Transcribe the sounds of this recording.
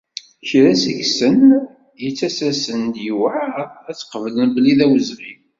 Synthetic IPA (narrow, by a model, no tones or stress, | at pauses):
çɾæsiʝsən | jət͡sːæsæsənd̪jiwaæt͡sːqəvlənbəliðæwəzʁi